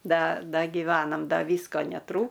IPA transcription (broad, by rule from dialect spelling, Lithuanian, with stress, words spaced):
ˈdɐ ˈdɐ ɡʲɪˈʋʲæːnɐm ˈdɐ ˈʋʲiːskoː nʲɛˈtruː